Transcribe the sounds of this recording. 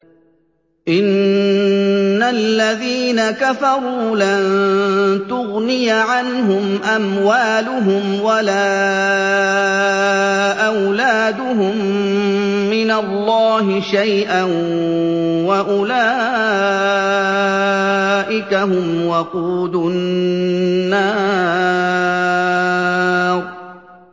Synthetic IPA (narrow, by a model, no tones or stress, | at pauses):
ʔɪn | alːaðiːnakafɑɾˤuːlan | t̪ʊɣnɪjʕanɦʊmʔamwaːlʊɦʊmwalaː | ʔawlaːd̪ʊɦʊmː | ɪnalˤːɑːɦɪʃajʔan | waʔʊlaː | ʔɪkahʊmwɑquːdʊnnːaː | ɾˤ